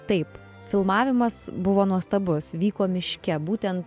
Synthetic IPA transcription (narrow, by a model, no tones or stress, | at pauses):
t̪ɐɪp | fʲɪlˠmɑːʋʲɪmɐsbʊʋoːnuɔst̪ɐbʊsʋʲiːkoːmʲɪʃʲkʲɛbuːt̪ʲɛnt̪